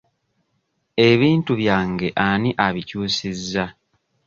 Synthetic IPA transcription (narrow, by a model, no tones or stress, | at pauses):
e̞βiːntuβjaːŋɡe̞ʔaniʔaβicuːsizːa